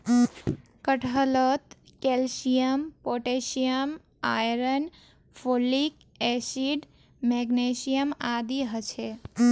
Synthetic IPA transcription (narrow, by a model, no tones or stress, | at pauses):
kəʈʰələt̪ | kelsijəmpoʈesijəm | ajɾən | pʰolik | esiɖ | meɡnesijəmad̪iɦət͡ʃʰe